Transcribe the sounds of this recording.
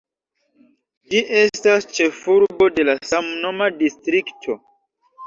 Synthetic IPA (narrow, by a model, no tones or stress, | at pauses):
d͡ʒiʔe̞stast͡ʃe̞fuɾbo̞de̞lasamno̞madistɾiktʰo̞